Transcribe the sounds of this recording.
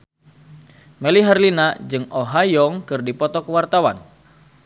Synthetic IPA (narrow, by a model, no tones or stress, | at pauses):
mɛliɦarlinad͡ʒɨŋoɦajɔŋkɨrdipɔt̪ɔkəwart̪awa̰n